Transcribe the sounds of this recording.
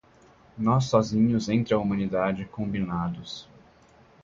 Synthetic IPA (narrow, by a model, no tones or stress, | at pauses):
nɔs̬ːɔzĩɲʊzẽnt̪ɾɪɐumɐ̃nid̪ad͡ʒɪkõbinad̪ʊs